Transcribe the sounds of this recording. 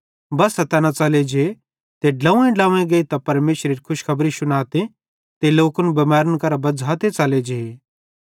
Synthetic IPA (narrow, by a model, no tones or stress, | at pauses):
bɐsɐt̪ɛːnat͡sɐled͡ʒe | t̪eɖlãːũẽɖãːẽɡɐit̪apɐɾmeːʃɾeɾikʰʊʃkʰɐbɾisʊnaːt̪e | t̪eloːkʊnbɐmaːɾənkɐɾabɐd͡zʱaːt̪et͡sɐled͡ʒee